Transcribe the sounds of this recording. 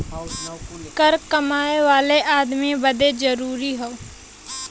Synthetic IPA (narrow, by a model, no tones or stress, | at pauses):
kəɾkəmaːeʋaːleʔaːd̪mibəd̪ezəɾuːɾiɦoː